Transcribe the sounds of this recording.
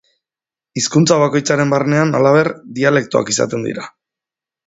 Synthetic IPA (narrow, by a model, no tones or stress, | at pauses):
iskunt͡saβ̞ako̞jt͡saɾe̞mbarne̞analaβ̞e̞ɾd̪iale̞k̚t̪oa̰kisa̰t̪e̞nd̪ḭɾa